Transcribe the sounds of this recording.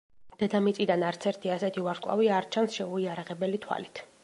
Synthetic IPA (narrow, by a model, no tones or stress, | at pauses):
d̪̥ɛd̪amit̪sʼid̪anaɾt̪sʰɛɾt̪ʰiasɛt̪ʰivaɾskʼlˠa̰viaːɾt͡ʃʰansʃɛuiaɾaʁɛbɛlit̪ʰwa̰lit̪ʰ